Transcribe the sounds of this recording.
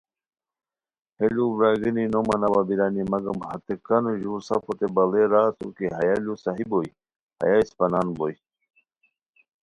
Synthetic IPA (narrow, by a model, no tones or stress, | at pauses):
helubɾaɡininomɐnawabiɾaːnimɐɡɐmhɐt̪ekɐnoʑuːɾsɐfot̪ebɐleɾaːsṵkeɦɐjalusaɦiboj | hɐ̰jaispɐnanboj